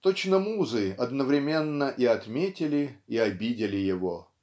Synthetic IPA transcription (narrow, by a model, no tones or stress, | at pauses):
t̪ot͡ɕnəmuzɨɐd̪nəvɾʲɪmʲenːəʔiɐt̪mʲetʲɪlʲɪiɐbʲidʲɪlʲɪjɪvo